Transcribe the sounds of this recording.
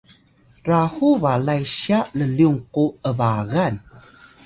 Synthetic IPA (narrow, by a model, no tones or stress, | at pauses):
rahuvalajɕiaʔləliuŋquəvaɣan